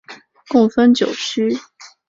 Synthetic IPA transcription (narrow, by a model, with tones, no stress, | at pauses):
kʊ˥˩ŋfə˥nt͡ɕjo˨˩ʊʂ̩˥